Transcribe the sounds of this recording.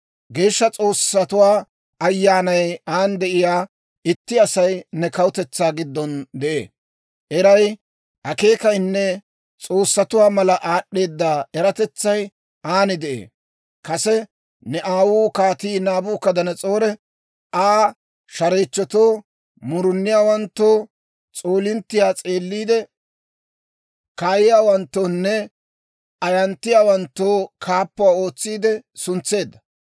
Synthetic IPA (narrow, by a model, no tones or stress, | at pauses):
ɡe̞ːʃːɐt͡sʼo̞ːsɐt̪ʊwaː | ɐjːaːnɐjaːnd̪ɛʔɪjaː | ɪt̪ːɪɐsɐjnɛkɐwʊt̪ɛt͡sːaːɡɪd̪ːɔnd̪ɛʔḛː | ʔɛɾɐj | ʔɐke̞ːkɐjnːɛ | t͡sʼo̞ːsːɐt̪ʊwaːmɐlɐʔaːɗːe̞ːd̪ːaːɛɾɐt̪ɛt͡sːɐj | ʔaːnɪd̪ɛʔḛː | kɐsɛ | nɛʔaːwuːkaːt̪iːnaːbuːkːɐd̪ɐnɐt͡sʼo̞ːɾɛ | aː | ʃɐɾeːt͡ʃːɔt̪o̞ː | mʊɾʊnːɪjaːwɐnt̪ːoː | t͡sʼoːlɪnt̪ːɪjaːt͡sʼe̞ːlːiːd̪ɛ | kaːjɪjaːwɐnt̪ːoːnːɛ | ɐjɐnt̪ːɪjaːwɐnt̪ːoːkʰaːpːʊwaːo̞ːt͡sːiːd̪ɛsʊnt͡sːe̞ːd̪ːɐ̥